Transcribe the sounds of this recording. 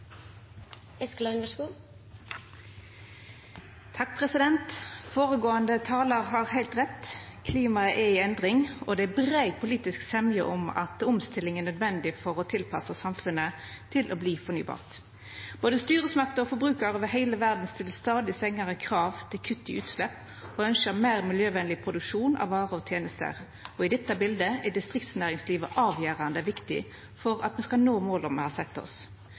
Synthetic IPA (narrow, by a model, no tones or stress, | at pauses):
ɛsklɑʉnd̪əʃkuː | t̪ʰɑk̚pʰʁɛsɪd̪ɛnt̪foːʁəɡoːənd̪ət̪ʰɑːləʁɦɑʁhæɪlt̪ʁɛt̪ːkʰliːmɑʔɛɪɛnd̪ʁɪŋɔd̪ɛæbʁæɪpʰʊliːt̪ɪsksɛmjəʔʊmɑ̰t̪ʊmst̪ɪlːɪŋænœd̪ʋɛnd̪ɪfɔʁɔt̪ʰɪlpʰɑsəsɑmfʉnə | t̪ʰɪlʔɔbliːfɔny̰ːbɑ̰ːʁt̪ | b̥oːd̪əst̪yːʁəsmɑk̚t̪əɔfɔbʁʉːkɑʁəʋɛɦæɪləʋæʁd̪n̩st̪ʰɪlst̪ɑːd̪ɪsɛŋːɑʁəkʰʁɑːʋt̪ʰɪlkʰʉt̪ːɪʉːt̪slɛpː | ɔœnʃəmæːʁmɪljøːʋɛnlɪpʰʁʊd̪ʉkʂuːnʔɑ̰ʋʋɑːʁəɔt̪ʰjeːnəst̪ə̰ʁ | ɔɪd̪ɛt̪ːəbɪld̪əæd̪ɪst̪ʁɪkt̪snæːʁɪŋsliːʋəʔɑːʋjæːʁɑnd̪əʋɪkt̪ɪ̰ | fɔʁɑ̰t̪mɛskɑlnoːmoːlɔmɛ̰hɑsɛt̪ːɔ̰s